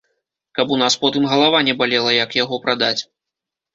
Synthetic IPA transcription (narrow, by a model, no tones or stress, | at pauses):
kɐpunaspɔt̪ɨmɣɐlˠavanʲɛbalʲɛlˠɐjɐkjaɣɔpɾad̪at͡sʲ